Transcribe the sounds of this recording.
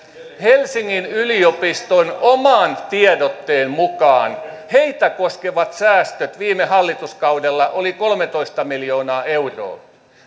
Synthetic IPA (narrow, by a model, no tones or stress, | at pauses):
helsiŋːinyliopist̪onomɑːnt̪iedot̪ːeːnmukɑːnheit̪ækoskeʋɑt̪sæːst̪øt̪ʋiːmehɑlːit̪uskɑudelːɑʔolikolmet̪oist̪ɑmiljoːnɑːeuro̰ː